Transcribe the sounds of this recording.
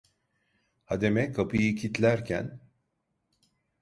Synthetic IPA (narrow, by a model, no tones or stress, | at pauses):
had̪e̞mɛkʰapʰɯjɯcʰit̪lʲæɾcʰæ̰n